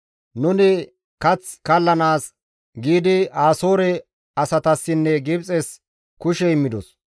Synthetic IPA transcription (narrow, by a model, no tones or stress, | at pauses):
nʊnɪ | kɐt͡skɐlːɐnaːs | ɡiːd̪ɪaːso̞ːɾɛ | ɐsɐt̪ɐsːɪnːɛɡɪbt͡sʼɛs | kʊʃɛɪmːɪd̪ɔs